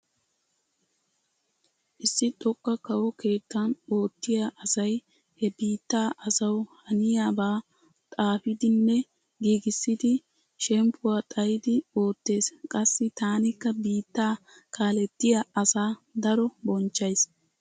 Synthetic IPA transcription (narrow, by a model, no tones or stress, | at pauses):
ʔɪsːɪt̪ʼɔkʼːɐkɐwɔke̞ːt̪ːɐno̞ːt̪ːɪjaʔɐsɐj | hɛbiːt̪ːaːʔɐsɐwhɐnɪjaːbaː | t̪ʼaːfɪd̪ɪnːɛ | ɡiːɡɪsːɪd̪ɪ | ʃɛmpʰʊwaːt̪ʼɐjɪd̪ɪo̞ːt̪ːe̞ːskʼɐsːɪt̪aːnɪkːɐbiːt̪ːaː | kʰaːlɛt̪ːɪjaɐsaːd̪ɐɾɔbɔnt͡ʃːɐjs